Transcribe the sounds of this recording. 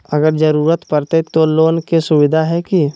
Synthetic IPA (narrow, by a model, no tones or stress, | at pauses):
əɡəɾd͡ʒəɾuːɾət̪pəɾt̪et̪oloːnkesʊwɪd̪ʱaɦɛki